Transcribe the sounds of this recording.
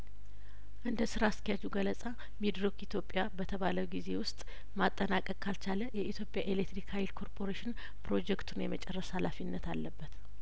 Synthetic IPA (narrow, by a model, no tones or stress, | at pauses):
ʔɨnd̪əsɨɾask̪ʰijad͡ʒuɡələsʼa | mid̪ɾɨkit̪ʰjo̞pʼjabət̪ʰəβaləwɡize̞wʊst̪ʼ | mat̪ʼːənakʼəkʼkʰalt͡ʃaləjɛʔit̪ʰjo̞pʼjaʔelekt̪ɾikhajlkʰo̞ɾpʰo̞ɾeʃɪn | pʰɾo̞d͡ʒɛkt̪ʰunjɛmət͡ʃʼɛrːəshalafinːət̪alːəbːət̪